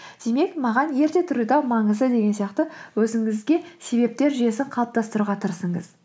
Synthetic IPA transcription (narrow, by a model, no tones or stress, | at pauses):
d̪̥e̞me̞kmɑʁɑnje̞ɾt̪e̞t̪ʰʏɾɪd̪ɑwmɑɴəzd̪əd̪e̞ɡʲe̞nsijɑqt̪əwɵzɪŋɪzɡʲe̞se̞be̞p̚t̪e̞ɾʒije̞sɪɴqʰɑlˠp̚t̪ʰɑst̪əɾuʁɑt̪ʰəɾsəɴə̰z